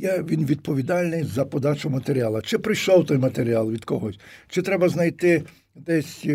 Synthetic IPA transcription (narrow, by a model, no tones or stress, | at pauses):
jaʋʲinʋʲid̪̚pɔʋʲid̪ɑlʲnɪjzɐpɔd̪ɑt͡ʃʊmɐt̪eɾʲialˠɐt͡ʃɪpɾɪjʃɔwt̪ɔjmɐt̪eɾʲialˠʋʲid̪kɔɦɔsʲt͡ʃɪt̪ɾɛbɐznɐjt̪ɪ | d̪ɛsʲ